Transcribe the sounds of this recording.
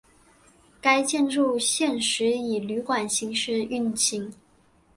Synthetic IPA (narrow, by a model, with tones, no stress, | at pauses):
ka˥ɪt͡ɕjɛ˥˧nɻu˥˧ɕjɛ˥˩nʂɻ̩˧˥i˨˩ly˧˥kwa˨˩nɕi˧˥ŋʂɻ̩˥˧y˥˩nt͡ɕʰi˧˥ŋ